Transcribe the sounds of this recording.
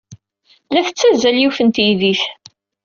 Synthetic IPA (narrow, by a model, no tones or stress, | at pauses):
læθət͡sːæzæljufənt̪jiðiθ